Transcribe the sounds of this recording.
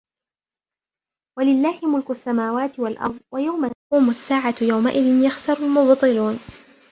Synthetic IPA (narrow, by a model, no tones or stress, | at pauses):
walɪlːaːhɪmʊlkʊsːamaːwaːt̪ɪwalʔɑ̰ɾˤðˤwajawmauːmʊsːaːʕajawmaʔɪðɪnjaxsɑɾˤʊlmʊbt̪ˤɨluːn